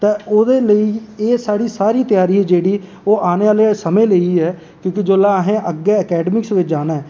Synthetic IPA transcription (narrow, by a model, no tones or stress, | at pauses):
t̪eːoːd̪eːləiːeːsaːɽiːsaːɾiːt̪ɪjaːɾiːɛːd͡ʒeːɽiː | oːʔaːneːʋaːleːsəmẽːləiːɦɛː | kjõːkɪd͡ʒoːlaːɦẽːʔəɡɛːəkɛːɖəmɪksʋɪt͡ʃd͡ʒaːnaːɦɛː